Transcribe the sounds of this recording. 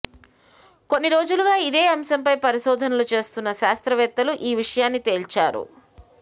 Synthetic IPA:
ko̞nːiɾo̞ːd͡ʒuluɡaːid̪e̞ːɐmsɐmpɐjpɐɾiʃɔːd̪ʱɐnɐlut͡ʃe̞ːst̪unːɐʃaːst̪ɾɐʋɛt̪ːɐluʔiːʋiʂɐjaːnːit̪e̞ːlt͡ʃaːɾṵ

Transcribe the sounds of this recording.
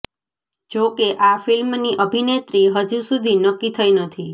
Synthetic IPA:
d͡ʒokeʔafilmniʔəbʱinet̪ɾiɦəd͡ʒusud̪ʱinəkːit̪ʰəinət̪ʰi

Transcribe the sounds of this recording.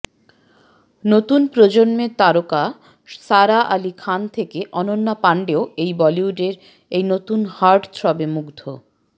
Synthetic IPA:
not̪unpɾod͡ʑonmet̪aɾoka | saɾaʔalikʰant̪ʰekeʔɔnonːapaɳɖeoejbɔliuɖeɾ | ejnot̪unhaɾɖt̪ʰɾɔbemuɡd̪ʱo

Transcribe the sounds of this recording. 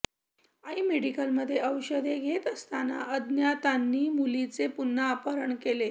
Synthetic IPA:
aimeɽikəlməd̪ʱːjeʔəwɕəd̪ʱeɡʱet̪əst̪ana̰ʔəd̪njat̪anːiːmulit͡sepunːəːpəɾəɳkele

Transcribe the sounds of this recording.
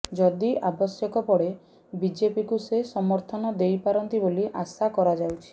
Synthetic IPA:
d͡ʒɔd̪iʔabɔsjɔkɔpɔɽe | bid͡ʒepikusesɔmɔɾt̪ʰɔnɔd̪ejpaɾɔnt̪iboliʔasakɔɾad͡ʒawt͡ʃʰi̥

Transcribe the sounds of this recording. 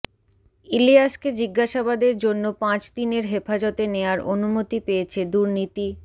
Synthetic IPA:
ilijaʃked͡ʑiɡːaʃabad̪eɾd͡ʑonːopãt͡ɕd̪ineɾɦefad͡ʑɔt̪eneoaɾonumot̪ipeet͡ɕʰed̪uɾnit̪i

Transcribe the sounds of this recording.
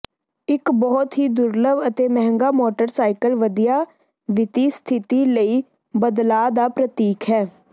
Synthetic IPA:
ɪkbɔːt̪ɦiːd̪ʊɾləʋət̪eːmɛɦŋɡaːmoːʈəɾsaːɪkəlʋəd̪ijaː | ʋɪt̪iːst̪ʰɪt̪iːləiː | bəd̪laːd̪aːpɾət̪iːkɦɛː

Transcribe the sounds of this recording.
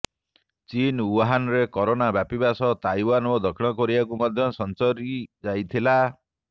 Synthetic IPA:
t͡ʃinuɦanɾekɔɾonabjapibasɔt̪ajwanod̪ɔkʰiɽ̃ɔkɔɾibak̬umɔd̪ʱjɔsɔnt͡ʃɔɾid͡ʒajt̪ʰila

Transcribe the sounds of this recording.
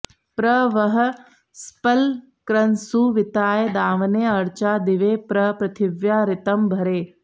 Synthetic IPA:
pɾɐʋɐɦə̆ | spəl | kɾɐnsuːʋɪt̪aːjd̪aːʋneːɐɾt͡ʃaːd̪ɪʋeːpɾɐpɾɐt̪ʰɪʋjaːɾɪt̪əmbʱɐɾeː

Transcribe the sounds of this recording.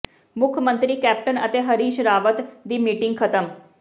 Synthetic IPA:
mʊkʰəmə̃nt̪ɾiːkɛːpʈənət̪eːɦəɾiːʃɾaːʋət̪d̪iːmiːʈɪŋɡ̚kʰət̪əm

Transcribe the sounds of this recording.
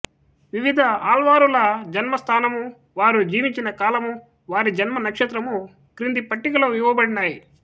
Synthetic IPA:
ʋiʋid̪ʱɐaːlʋaːɾulɐd͡ʒɐnmɐst̪ʰaːnɐmu | ʋaːɾud͡ʒiːʋiɲt͡ʃinɐkaːlɐmu | ʋaːɾid͡ʒɐnmɐnɐkʂɐt̪ɾɐmu | kɾind̪ipɐʈːikɐlɐmiʋɐbɐɽinaːji

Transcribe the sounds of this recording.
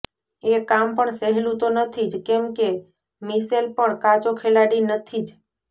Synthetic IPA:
ekampəɳseɦlũt̪onət̪ʰid͡ʒkemke | miselpəɳkad͡ʒokʰelaɽinət̪ʰid͡ʒ

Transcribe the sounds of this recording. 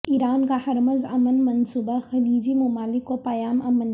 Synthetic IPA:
iːɾaːnkahɐɾməzɐmənmɐnsuːbaxɐliːd͡ʒimʊmaːlɪkːopɐjaːmɐmən

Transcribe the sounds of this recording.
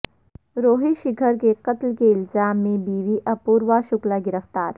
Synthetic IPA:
ɾoːɦiʃɪɡʰʱəɾkeqɐt̪lkeɪlzaːmːẽbiːʋiʔɐpuːɾʋaʃʊklaɡɪɾəft̪aːɾ

